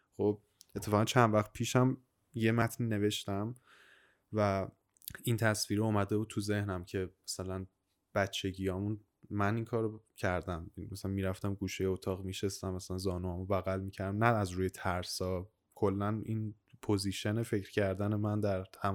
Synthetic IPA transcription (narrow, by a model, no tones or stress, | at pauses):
χo̞b̚ | et̪ʰːe̞fɒːɣʁænt͡ʃʰænd̪væχt̪̚pʰiːʃæm | je̞mæt̪ʰniːne̞ve̞ʃt̪æm | væ | int̪ʰæsviːɾeomæd̪ebuːt̪ʰuze̞hnæmcʰe̞mæsælæn | b̥æt̪t͡ʃʰːe̞ɟijɒːmun | mæniŋkʰɒːɾocʰæɾd̪æmmæsælænmiːɾæft̪æmɡuːʃejeot̪ʰɒːɣmiːʃest̪æmːæsælænzɒːnuæmobæɣælmiːcʰæɾd̪æmnæːzɾuːje̞t̪ʰæɾsɒː | kʰo̞lːænin | pʰoziʃenefe̞cɾ̥cʰæɾd̪æne̞mænd̪æɾhæm